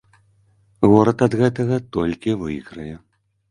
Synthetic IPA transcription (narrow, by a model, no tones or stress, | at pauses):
ɣɔɾɐt̪ɐd̪ɣɛt̪ɐɣɐt̪ɔlʲkʲivɨjɣɾɐjɛ